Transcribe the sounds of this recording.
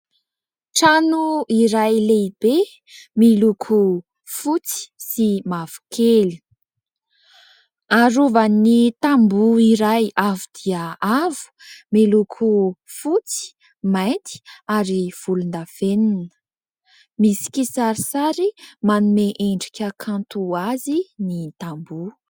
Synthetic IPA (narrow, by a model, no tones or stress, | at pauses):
ʈ͡ʂanuiɾajleib̥e | milukʰu | fut͡si̥simav̥u̥kʰeli̥ | aɾuvanːit̪ambuiɾajavud̪̥iəavu̥milukʰu | fut͡si̥ | majnt̪ʰi̥aɾiv̥ulund̪av̥eninə̥ | misi̥kʲisaɾisaɾimanumeʔeɳɖ͡ʐikʲəkʰãnt̪uazinit̪ambu